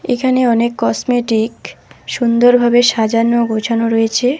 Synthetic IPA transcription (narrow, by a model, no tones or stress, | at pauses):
ekʰaneɔnekːɔsmeʈikʃund̪oɾbʱabeʃad͡ʑanːoɡot͡ɕʰanoɾoet͡ɕʰe